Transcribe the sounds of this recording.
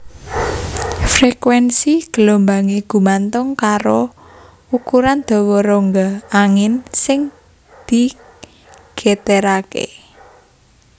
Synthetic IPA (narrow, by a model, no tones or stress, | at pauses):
frekwɛnsiɡ̥əlombaŋeɡ̥ṳmant̪ʊŋkaɾo | ukuɾand̪̥ɔ̤wɔɾoŋɡaaŋɪnsɪŋ | d̪̥i̤ | ɡ̥et̪eɾakḛ